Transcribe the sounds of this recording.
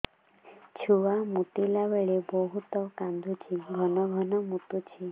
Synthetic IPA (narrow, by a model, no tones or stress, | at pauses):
t͡ʃʰuwamut̪ilaʋeɭebɔɦut̪ɔkand̪ʱut͡ʃʰiɡʱɔnɔɡʱɔnɔmut̪ut͡ʃʰi